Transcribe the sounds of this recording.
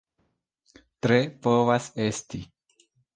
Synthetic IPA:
t̪ɾepovasest̪i

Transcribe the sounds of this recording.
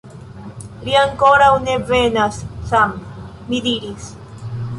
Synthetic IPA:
liaŋkoɾawnevenassamː | id̪iɾis

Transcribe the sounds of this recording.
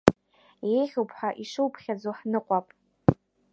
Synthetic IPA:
jejχʲowpʰħaʔiʂɨwpʰχʲad͡zoħnɨqʷʼapʼ

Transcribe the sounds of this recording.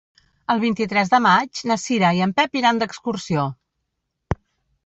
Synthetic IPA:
əlˠβ̞int̪it̪ɾɛzðəmad͡ʒnəsiɾaiəmpɛpiɾand̪əkskursio

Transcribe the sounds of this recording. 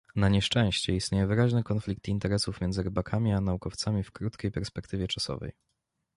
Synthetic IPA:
naɲɛʂt͡ʂɛ̃w̃ɕt͡ɕɛist̪ʲɲejɛvɘɾaʑnɛkɔnflʲik̚t̪int̪ɛɾɛsufmʲɛndzɘɾɘbakʰamʲianaukɔft̪samʲifkɾut̪kʲejpɛɾspɛkt̪ɘvʲjɛt͡ʂasɔ̰vɛ̰j

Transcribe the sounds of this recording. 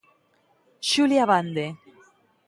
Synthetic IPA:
ʃuljaβand̪e

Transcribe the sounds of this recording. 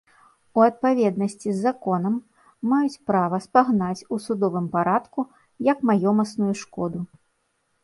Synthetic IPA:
uɐt̪̚pavʲɛd̪nɐsʲt͡sʲizːakɔnɐmː | ajut͡sʲpɾavɐspaɣnat͡sʲusud̪ɔvɨmpaɾat̪ku | jɐkmajɔmɐsnujuʂkɔd̪u

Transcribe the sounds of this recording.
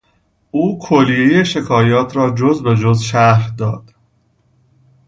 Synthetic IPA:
ʔuːkʰolːije̞je̞ʃe̞kʰɒːjɒːt̪ʰɾɒːd͡ʒozbe̞d͡ʒozʃæɾhd̪ɒːd̪̥

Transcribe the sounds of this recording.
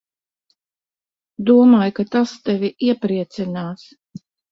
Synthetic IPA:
d̪uɔmaːjkat̪ast̪ɛvʲiʔiɛpɾiɛt̪sinaːs

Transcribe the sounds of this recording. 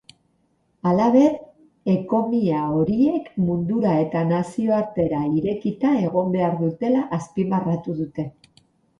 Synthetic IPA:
alaβe̞ð | e̞ko̞miao̞ɾie̞kmund̪uɾae̞t̪anasio̞aɾt̪e̞ɾaiɾe̞kit̪ae̞ɣo̞mbe̞aɾðut̪e̞laʔːspimarat̪uð̞ut̪e̞

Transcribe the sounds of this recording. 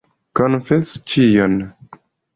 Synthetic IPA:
kɔnfɛst͡ʃijɔn

